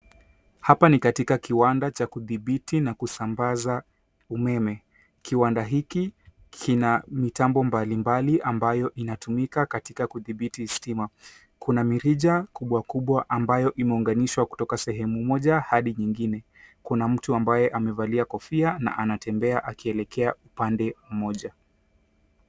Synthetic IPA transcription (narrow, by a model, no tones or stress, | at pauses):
hapanikatikakiwandat͡ʃakuðiɓitinakusambaza | umɛmɛ | kiwandaɦiki | kʰinamitambɔmbalimbaliʔambajɔʔinatumikakatikakuðiɓitistima | kunamiɾiʄakuɓwakuɓwaʔambajɔʔimɛuŋɡaniʃwaku̥tɔkasɛɦɛmumɔʄahaɗiɲiŋɡinɛ | kunam̩tuambajɛʔamɛvaliakɔfiana̰ʔanatɛmbɛaʔakiɛlɛkʰɛaupandɛm̩mɔʄa